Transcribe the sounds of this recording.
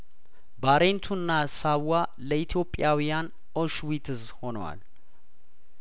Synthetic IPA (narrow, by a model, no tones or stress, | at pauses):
baɾe̞nt̪ʰunːasaβwaləit̪ʰjo̞pʼjawijan | ʔoʃwit̪ʰɨzho̞nəwa̰l